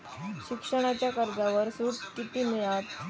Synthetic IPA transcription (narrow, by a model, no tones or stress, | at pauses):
ɕikʂəɽ̃at͡ɕjakəɾɡaʋəɾsuːʈkit̪injat̪